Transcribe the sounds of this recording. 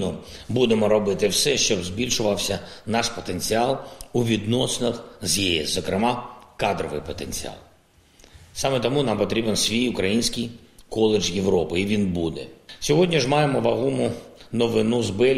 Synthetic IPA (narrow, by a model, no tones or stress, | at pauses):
nɔ | bud̪emɔɾɔbɪt̪ɪwsɛʃt͡ʃɔbzbʲilʲʃʊʋɐwsʲɐnɑʃpɔt̪enʲt͡sʲiɑlˠuʋʲid̪nɔsnɐxzjiɛszɔkɾɪmɑkɑd̪ɾɔʋɪ̰jpɔt̪enʲt͡sʲḭa̰ɑ̰lˠ | sɑmet̪ɔmunɑmpɔt̪ɾʲibensʲʋʲijʊkɾɐjinʲsʲkɪjkɔlˠed͡ʒjeʋɾɔpɪiʋʲinbud̪ɛsʲɔɦɔdʲnʲiʒmɑjemɔʋɐɦumʊnɔʋɪnuzbɪ